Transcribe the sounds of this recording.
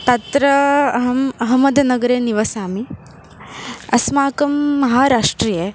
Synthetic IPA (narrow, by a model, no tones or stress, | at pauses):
t̪ɐt̪ɾɐɦɐmɐɦɐmɐd̪ɐnɐɡɐɾeːniʋɐsaːmi | ɐsmaːkɐmːɐɦaːɾaːʂʈɾiːjɐ